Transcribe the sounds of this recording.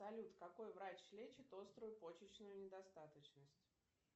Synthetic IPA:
ɐlʲut̪kɐko̞jvɾat͡ɕslʲet͡ɕɪt̪o̞st̪ɾʊjʊpo̞t͡ɕɪt͡ɕnʊjʊnʲɪd̪ɐst̪at̪ət͡ɕnəsʲtʲ

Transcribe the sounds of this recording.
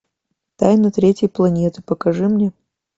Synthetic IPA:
t̪ajnɐt̪ɾʲetʲjəjplˠɐnʲet̪ɨ̥pəkɐʐɨmnʲe

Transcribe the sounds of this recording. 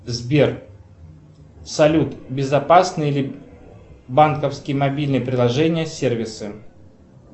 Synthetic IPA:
zbʲer | sɐlʲut̪bʲɪzɐpasnɨjilʲɪ | bankəfskʲɪjəmɐbʲilʲnɨjəpɾʲɪlˠɐʐɛnʲɪjəsʲervʲɪsɨ

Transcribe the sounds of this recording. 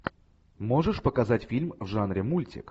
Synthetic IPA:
mo̞ʐɨʂpəkɐzatʲfʲilʲmvʐanɾʲɪmulʲtʲɪ̰k

